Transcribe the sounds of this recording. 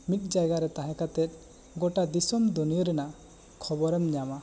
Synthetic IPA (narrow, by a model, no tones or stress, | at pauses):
mik̚d͡ʒajɡaɾɛt̪aɦɛ̃kat̪ɛt̪̚ˀ | ɡɔʈad̪isɔmd̪unijɔɾɛna | kʰɔbɔɾɛmɲama